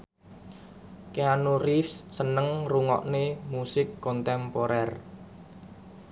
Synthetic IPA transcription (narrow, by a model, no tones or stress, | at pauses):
keanurifssənəŋruŋɔ̰ʔnemusɪkːɔnt̪ɛmpoɾɛr